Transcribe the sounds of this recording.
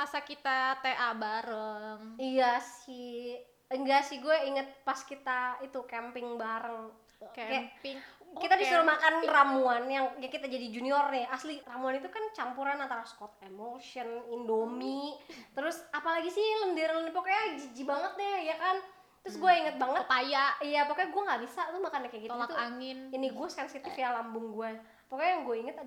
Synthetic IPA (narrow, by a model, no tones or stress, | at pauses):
masakit̪at̪eʔabaɾəŋijasɪh | əŋɡasɪhɡuɛiŋət̪̚paskit̪ait̪ukɛmpɪŋbaɾəŋ | kkajaŋkit̪adisəɾəlmakanramuanjaŋjaŋkit̪ad͡ʒadid͡ʒuniɔrɲaasliramuanit̪̬ukant͡ʃampuɾanant̪aɾaskɔt̪̚emoʃiɔnindomit̪əɾʊsapalaɡisiləndiɾlənpakajad͡ʒid͡ʒibaŋət̪̚dɛjakan | t̪əɾʊsɡuaiŋət̪̚baŋət̪pajaijapakaɡuaŋɡabisat̪ʊmakanakajakit̪aat̪uaŋɪniniɡuasɛnsit̪ɪfjalambʊŋɡuɛ | pakajjaŋɡuɛiŋət̪a